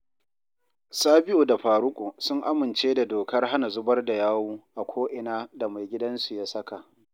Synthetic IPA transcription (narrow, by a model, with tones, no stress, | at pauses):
saː˦bɪ˦ʔoː˨da˨ɸaː˨ɾʊ˦kʷʼoː˨sʊ˦ŋʔa˦mɪ˨nt͡ʃeː˦da˨doː˨kɐ˦rɦa˦na˨zʊ˦bɐ˦rda˨jaː˦wuː˦ʔa˨kʷʰoː˦ʔɪ˨naː˦da˨ma˨jɡʲɪ˦dɐ˦nsu˨ja˦sɐ˦ka˨ʔ